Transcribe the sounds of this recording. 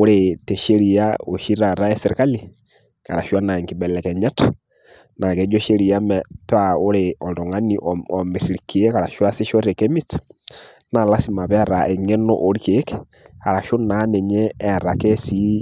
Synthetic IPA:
o˦ɾe˨tɛ˨ʃe˦ɾi˦ao˨ʃi˦ɾa˨ɾa˦ɛ˦seɾe˨ka˦li˨ | ka̰˨ɾa˨ʃwa˦na˨ŋki˨bɛ˨lɛ˨kɛ˨ɲa˦tḁ | na˨kɛ˨d͡ʒɔ˦ʃe˦ɾi˨a˦mɛpao˦ɾeɔ˨ndɔ˨ŋa˦ni˦ʔɔɔ˨me˨ɾi˨ɾiki˨ɛ˦ka˨ɾa˨ʃwa˦se˦ʃɔ˦ɾɛ˨kɛ˦mi˦st | na˨la˦si˨ma˨βɛ˦˨ɾa˨ʔɛ˨ŋɛ˦no̰˦ʔo˨ɾi˦ke˦kɛ̥ | a˨ɾa˨ʃo˦na˨˦nɛ˨ɲɛː˦˨ɾa˨kɛ˦si˦

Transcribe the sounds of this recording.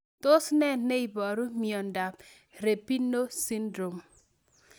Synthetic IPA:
to˦snɛ˦˨nːe˦i˨bɔ˨ɾu˦mi˨ɔ˨nda˨p | ɾe˨pi˦nːo˦si˦ndɾo˨m

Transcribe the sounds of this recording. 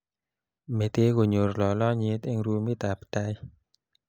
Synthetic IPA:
me˨t̪e˧ɣo˨ɲo˨ɾlɔ˨lɔ˦ɲi˧˦t̪e˧ŋɾu˧mi˦t̪a˨pḁ˨t̪a˧j

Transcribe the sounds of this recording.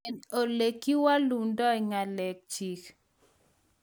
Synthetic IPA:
ɛ˨no˨le˨ki˦wa˦lu˨dɔ˦i˨ŋa˨lɛ˨k̚t͡ʃi˨k

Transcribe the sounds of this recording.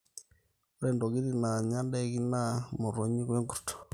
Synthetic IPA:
o˦ɾɛ˦˨ndo˨ɣi˦ɾi˦na˨ɲa˦nde˦ɣi˦na˦mo˨ɾo˨ɲi˦ɣwe˦ŋɡu˨to̥˨

